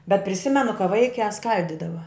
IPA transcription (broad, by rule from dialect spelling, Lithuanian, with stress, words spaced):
bʲɛt pʲrʲɪˈsʲɪmʲɛnʊ kɐ ˈʋɐɪkʲæː ˈskɐlʲdʲiːdɐʋɐ